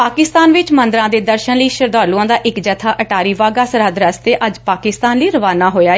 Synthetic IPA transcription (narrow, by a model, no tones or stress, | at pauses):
paːkɪst̪aːnʋɪt͡ʃmə̃nd̪ɾãːd̪eːd̪əɾʃənləiːʃəɾd̪aːɾluãːd̪aːʔɪkd͡ʒət̪ʰaːʔəʈaːɾiːʋaːɡaːsəɾaːd̪ɾəst̪eːʔəd͡ʒpaːkɪst̪aːnliːɾəʋaːnaːɦoːjaː